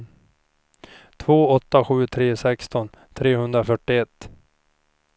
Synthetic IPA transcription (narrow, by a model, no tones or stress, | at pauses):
t̪ʰvoːɔt̪ːaɧʉ̟ːt̪ʰɾeːsɛkst̪ɔn | t̪ʰɾeːhɵnd̪ɾafœʈːɪɛt̪ː